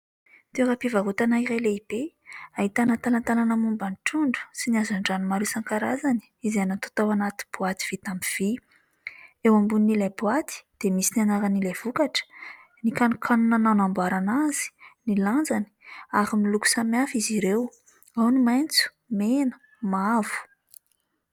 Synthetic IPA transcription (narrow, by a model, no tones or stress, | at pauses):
t̪eɾapivaɦut̪anaiɾajleib̥e | aɦit̪anat̪alant̪alanəmumbaniʈ͡ʂuɳɖ͡ʐu̥siniazaɳɖ͡ʐanimaɾesaŋkaɾazani̥izanat̪o̥t̪awanat̪i̥b̥uat̪i̥v̥it̪amiv̥i | ewambunːilebuat̪i̥d̪̥emisinanaɾanilev̥ukaʈ͡ʂə̥ | nikanukʰanunanawnambaɾanaz̥i̥niland͡zani̥aɾimiluku̥samiafiziɾew | awnimajnt͡su̥ | menə̥ | mavu̥